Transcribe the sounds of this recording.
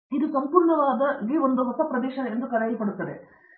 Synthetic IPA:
id̪usɐmpuːɾɳɐʋaːd̪ɐɡiond̪uɦɔsɐpɾɐd̪ɛːʃɐend̪ukɐlaːjipɐɽut̪ːɐd̪e̞

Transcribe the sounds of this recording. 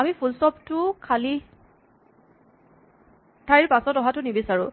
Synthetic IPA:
amipʰulsɔptʊkʰali | tʰaɹiɹpasɔtɔɦatʊnibisaɹʊ

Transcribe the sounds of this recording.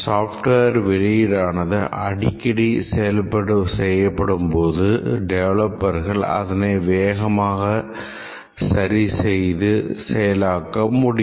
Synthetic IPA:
saːfʈʋeːɾʋɪɻɪjɪɾaːnɐðɯʔɐ̰ɽɪkːɐɽisɛjɐlpːɐɽɯsɛjːɐpːɐɽɯmpoːðɯɖɛʋɐɭɐpːɐɾɣɐɭɐ̰ðɐneʋeːɣɐmaːɣɐ | sɐɾisɛjðɯsɛjɐlaːkːɐmʊɽɪ

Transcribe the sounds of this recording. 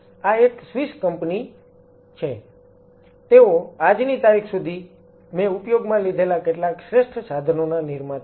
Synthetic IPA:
aeksʋiskəmpni | t͡ʃʰe | t̪eoad͡ʒnit̪aɾikʰsud̪ʱi | mẽupjoɡmãlid̪ʱelakeʈlakʃɾeʃʈʰəsad̪ʱənonaniɾma

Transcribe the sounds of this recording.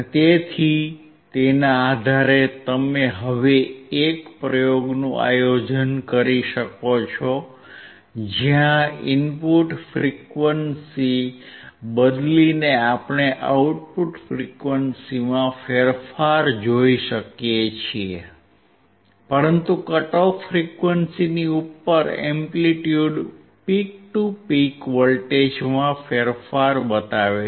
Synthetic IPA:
t̪et̪ʰi | t̪enaːd̪ʱaɾet̪əmeɦəʋeekpɾəjoɡnũʔa̰jod͡ʒənkəɾiʃəkot͡ʃʰɔ | d͡ʒjãɪnpuʈfɾikʋənsi | bəd̪lineapɳ̃eʔauʈ̚puʈfɾikʋənsimãfeɾfaɾd͡ʒoiʃəkjet͡ʃʰie | pəɾənt̪ukəʈofɾikʋənsiniupːəɾɛ̰mpliʈjuɖ | pik̚ʈupikʋəlʈed͡ʒmãfeɾfaɾbət̪aʋe

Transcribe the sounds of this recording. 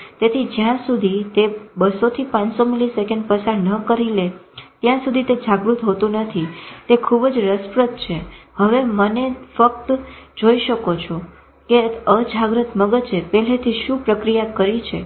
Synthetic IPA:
t̪et̪ʰid͡ʒjãsud̪ʱit̪ebəsot̪ʰipãnsomilisekəɳɖ̚pəsaɾnəkəɾilet̪jãsud̪ʱit̪ed͡ʒaɡɾut̪ɦot̪ũnət̪ʰit̪ekʰubd͡ʒɾəspɾət̪̚t͡ʃʰehəʋemənefək̚t̪d͡ʒoiʃəkot͡ʃʰo | keəd͡ʒaɡɾət̪məɡət͡ʃepɛlet̪ʰiʃũpɾəkɾijakəɾit͡ʃʰe

